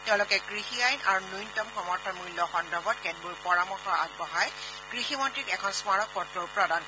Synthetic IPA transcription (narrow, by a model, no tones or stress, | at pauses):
tɛʊ̃lɔkɛkɹixiajnʔa̰ɹunujntɔmxɔmɔɹtʰɔnmujlːɔxɔndɔbʱɔt̚kɛd̚buɹpɔɹamɔxɔɹa̰ɡ̚bɔɦaj | kɹiximɔntɹikɛkʰɔnsmaɹɔkːɔtɹɔɹpɹɔdan